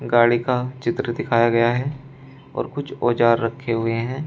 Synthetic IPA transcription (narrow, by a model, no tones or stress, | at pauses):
ɡaːɽikat͡ʃɪt̪ɾəd̪ɪkʰaːjaɡɐjaɦɛ | ɔ̰ːɾkʊt͡ʃʰoːd͡ʒaːɾːɐkʰːeɦʊeɦɛ̃ː